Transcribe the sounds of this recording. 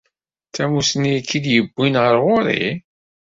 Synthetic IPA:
θæmusnikːid̪jəbːinʁəɾʁʊɾḭ

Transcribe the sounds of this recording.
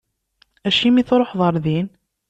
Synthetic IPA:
æʃimiθɾˤoħðˤəɾˤðin

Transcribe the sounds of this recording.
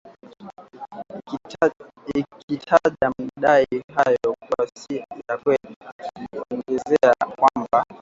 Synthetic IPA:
kʰitʰaʄam̩ɗaiɦajɔkwasiitakwɛl | ɔŋɡɛzɛakwamba

